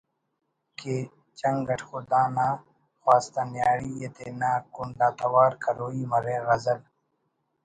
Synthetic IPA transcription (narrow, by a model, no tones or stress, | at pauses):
ke | t͡ɕɐŋɡɐʈʰxud̪aːnaː | xwaːst̪ɐnjaːɽijet̪enaːkunlaːt̪ɐwaːɾkɐɾoːiːmɐɾeːɣɐzɐl